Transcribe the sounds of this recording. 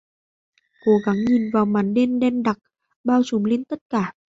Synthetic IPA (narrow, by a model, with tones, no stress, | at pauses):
ko˨˦ɣa˨˦ŋɲi˨˩nvaː˨˩wmaː˨˦nɗe˧nɗɛ˧nɗa˨˩k̚ | ɓaː˧wsu˨˦mli˧nt̪ə˦˥t̚kaː˧˩